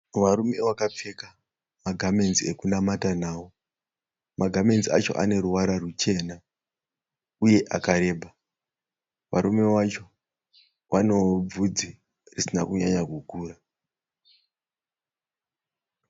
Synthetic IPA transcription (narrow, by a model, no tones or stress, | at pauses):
ʋaɾume̞ʋakap͡fe̞ka | maɡʱame̞nzie̞kunamatanaːwo | maɡʱame̞nzia̰t͡ʃo̞̰ʔa̰ne̞ɾuwaɾarut͡ʃe̞ːna | uje̞ʔakaɾe̞ːbʱa | ʋa̰ɾume̞wat͡ʃo̞ | ʋʔano̞b͡vud͡zi | risinakuɲaɲakukuːra